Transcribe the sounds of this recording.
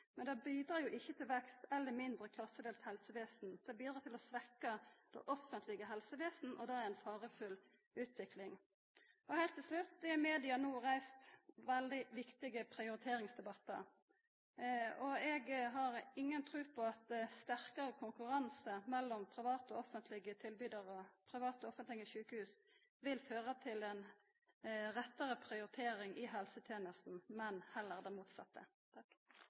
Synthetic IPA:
mɛnd̪ɛbiːd̪ɾɑːjʊʔɪçːət̪ʰɪlʋɛkst̪ɛlːəɾmɪnd̪ɾəkʰlɑsːəd̪eːlt̪hɛlsəʋeːsn̩d̪̥ɛbiːd̪ɾɑːt̪ʰɪlɔsʋɛkəd̪̥ɛ̰ʔɔfːənt̪ʰlɪɡəɦɛlsəʋeːsn̩ʔɔd̪ɛæɾænfɑːʁəfʉl | ʉːt̪ʋɪklɪŋ | ɔhæɪlt̪ʰːɪlslʉt̪̚d̪ɛmeːd̪ɪɑnuːɾæɪst̪ʋɛld̪ɪʋɪkt̪ɪɡəpʰɾɪʊɾɪt̪ʰeːɾɪŋsd̪ɛbɑt̪ːə̰ɾ | ɔɛɡɦɑʁɪŋːənt̪ʰɾʉːpʰɔɑt̪̚d̪st̪æʁkɑʁəkʰʊŋkʉɾɑnsəmɛlːɔmpʰɾɪʋɑːt̪ɔɔfənt̪ʰlɪɡət̪ʰɪlbyːd̪ɑʁɔpʰʁɪʋɑːt̪ɔfənt̪lɪɡəʃʉːkəhʉːs | ʋɪlføːʁət̪ʰɪlɛn | ʁɛt̪ːəʁəpʰɾɪʊɾɪt̪ʰeːɾɪŋʔɪɦɛlsət̪ʰjeːnəst̪n̩mɛnhɛlːəʁd̪ɛmuːt̪sɑ̰t̪ːə̰

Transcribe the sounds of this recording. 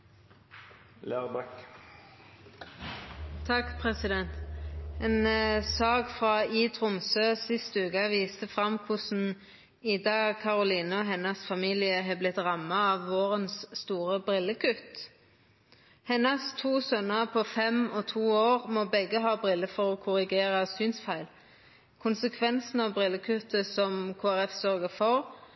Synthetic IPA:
læːʁbɛk | t̪ʰɑkpʰʁɛsɪd̪ɛnt̪eːnsɑːɡfʁɑːiːt̪ʰʁʊmsøːsɪst̪əʉːkɑʋiːst̪əfʁɑmkʰʊsn̩ | ɪd̪ɑːɡkʰɑʁʊliːnɔɦɛnɑsfɑmiːlɪəɦeːblɪt̪ʁɑmɑɑʋːoːʁənsːt̪uːʁəbʁɪlːəkʰʉt̪ | hɛnːɑst̪ʰuːsœnəʁpʰɔfɛmɔt̪ʰuːoːʁmobɛɡəɦɑːbʁɪlːəfɔʁɔkʰʊʁɪɡeːʁɑsynsfæɪl | kʰʊnsəkʰʋɛnsn̩ɑʋbʁɪlːəkʰʉt̪əsɔmkʰoːæʁɛfsœʁɡəfɔʁ

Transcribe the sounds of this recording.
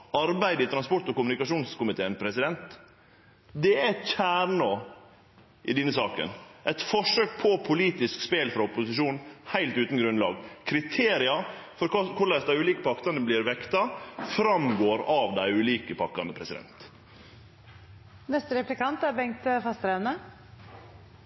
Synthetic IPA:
ɑɾbæɪd̪əɪt̪ʰɾɑnspɔʈːɔkʊmʉnɪkɑʂuːnskʊmɪt̪ʰeːənpʰɾɛsɪd̪ɛnt̪ | d̪ɛæɛt̪çæːɳoː | ʔɪd̪ɪnːəsɑːkə̰nʔɛɪt̪fɔʂøːk̚pʰɔpʰʊliːt̪ɪskspeːlfɾɑʊpʊsɪʂuːnhæɪlt̪ʉːt̪n̩ɡɾʉnlɑ̰ːɡkʰɾɪt̪ʰeːɾɪɑfɔɾkɑkʰʊɭæsd̪æɪʉːliːkəpʰɑkt̪ɑnəblɪɾʋɛkt̪ɑfɾɑmɡoːɾɑʋd̪æɪʉːliːkəpʰɑkːɑnəpʰɾɛsɪd̪ɛ̰nt̪ | nɛst̪əɾɛplɪkɑnt̪æɾbɛŋt̪əfɑst̪ɾænə

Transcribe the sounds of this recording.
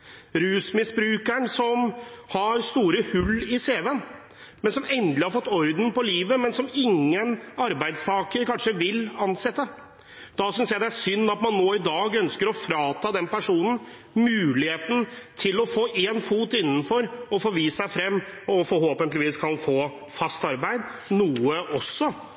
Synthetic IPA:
ɾʉːsmɪsbɾʉːkæɳsɔmhɑɾst̪uːɾəhʉlːɪseːʋən | mɛnsɔmɛnd̪lɪhɑɾfɔt̪ːɔɾd̪n̩pɔliːʋəmɛnsɔmɪŋːənɑɾbæɪd̪st̪ʰɑːkəɾkɑnʂəʋɪlɑnsɛt̪ːə | d̪̥ɑsʏnsjæɪd̪ɛææɾʂʏnːɑt̪mɑnːoːɪd̪ɑːɡœnskəɾɔfɾɑːt̪ʰɑːd̪ɛnpæʂuːnən̩ | mʉːlɪheːt̪n̩t̪ʰɪlɔfoːʔeːnfuːt̪ɪnːn̩fɔɾɔfoːʋiːssæɪfɾɛmːɔfɔɾhoːpənt̪lɪʋiːskʰɑnfoː | fɑst̪ɑɾbæɪd̪nuːəʔɔsːɔ

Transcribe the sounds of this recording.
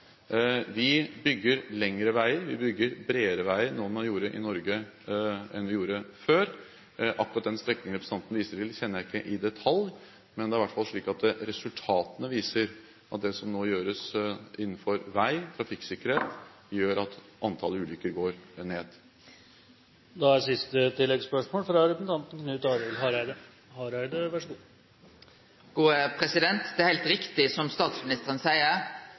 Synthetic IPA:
ʋɪbʏɡːəɾlɛŋɾəʋæɪəɾʋɪbʏɡːəɾbɾeːəɾəʋæɪəɾnoːmɑjuːɾəʔɪnɔɾɡə | ʔɛnʋɪjuːɾəføːɾ | ʔɑkːɾɑt̪̚d̪ɛnst̪ɾɛkːnɪŋɾɛpɾsɑnt̪ən̩ʋiːsəɾɪlçɛnːəɪkːəʔɪd̪ɛt̪ʰɑlj | mɛnd̪ɛæɾʋæʈːfɑlːʂɭiːkɑt̪̚d̪ɛɾɛsʉlt̪ʰɑːt̪ənəʋiːsəɾ | ʔɑt̪̚d̪ɛsɔmnoːjøːɾəsɪnːənfɔɾʋæɪt̪ʰɾɑfɪksɪkːəɾheːt̪ | jøːɾɑt̪ʔɑnt̪ʰɑləʉːlʏkːəɾɡoːɾneːd̪ | d̪ɑæsɪst̪ət̪ɪlːɛɡspœʂmoːlfɾɑɾɛssn̩t̪ʰɑnt̪n̩kʰnʉːt̪ɑːɾɛlɦɑɾæɪd̪ə | hɑɾæɪd̪əʋæʂəɡuː | ɡ̥uːəpʰɾɛsɪd̪ɛnt̪d̪ɛæɾhæɪlt̪ɾɪkt̪ɪsɔmst̪ɑːt̪smɪnɪst̪əʁənsæɪəʁ

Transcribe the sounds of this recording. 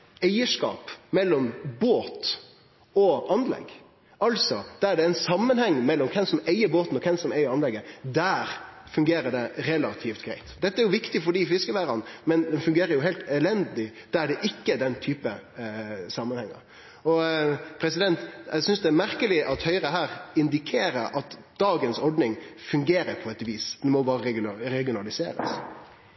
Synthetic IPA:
æɪəʂkɑ̰ːpmɛlːɔmboːt̪ | ɔʔɑnlɛ̰ɡ | ʔɑlsɔd̪̥ææɖɛæɪnsɑmːənhɛŋːmɛlːɔmkʰɛnsɔmæɪəɾboːt̪n̩ɔkʰɛnsɔmæɪəɾɑnlɛɡːəd̪æːɾ | fʉŋɡeːɾəɖɛɾɛlɑt̪ʰift̪ɡ̥ɾæɪt̪d̪ɛt̪ːəæɾjʊʋɪkt̪ɪfɔɖiːfɪskəʋæːɾɑnmɛnd̪ɛnfʉŋɡeːɾəɾjʊɦæɪlt̪ɛlɛnd̪lɪd̪̥æɖɛʔɪkːəd̪ɛnt̪ʰyːpə | sɑmːənhɛŋːə̰ɾ | ɔpʰɾɛsɪd̪ɛnt̪æsʏnsd̪ɛæɾmæɾkəlɪʔɑt̪hœʏɾəɦæːɾɪnd̪ɪkʰeːɾəɾʔɑt̪d̪̥ɑːɡənsɔɾɖnɪŋfʉŋɡeːɾəɾpʰɔɛt̪ʋiːsd̪ɛnmɔbɑːɾəɾɛɾɛɡɪʊnɑlɪsḛːɾə̰s

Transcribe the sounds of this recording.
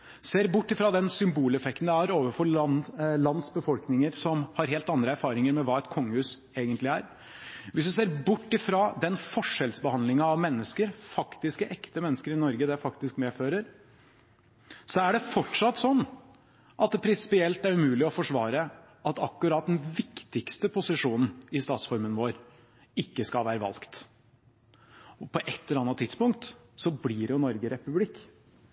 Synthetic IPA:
seːɾbʊʈːɪfɾɑd̪ɛnsʏmbuːlɛfɛkt̪n̩d̪ɛæɾoːʋəfɔ | lɑnd̪sbəfɔlknɪŋəɾsɔmhɑɾɦeːlt̪ɑnd̪ɾəæɾfɑːɾɪŋəɾmɛʋɑːɛt̪kʰɔŋːəhʉːs | eːɡənt̪lɪæɾ | ʋɪsd̪ʉseːɾbʊʈːɪfɾɑd̪ɛnfɔʂːɛlsbəhɑnd̪lɪŋɑɑʋmɛnːəskəɾfɑkt̪ɪskəʔɛkt̪əmɛnːəskəɾɪnɔɾɡəd̪ɛfɑkt̪ɪskmeːføːɾəɾ | sɔæɖɛfɔʈʂɑt̪ːsɔnː | ʔɑt̪̚d̪ɛpʰɾɪnsɪ̥pɪɛlt̪æɾʉmʉːlɪɔfɔʂʋɑːɾə | ʔɑt̪ɑkːʉɾɑːt̪̚d̪ɛnʋɪkt̪ɪkst̪əpʰʊsɪʂuːnn̩ɪst̪ɑːt̪sfɔɾmənʋoːɾ | ɪkːəskɑlʋæːɾəʋɑ̰lkt̪ | pʰɔʔɛt̪ːɛɾɑnːət̪ʰːɪd̪spʊŋk̚t̪ | sɔblɪɾjʊnɔɾɡəɾɛpʉblɪkː

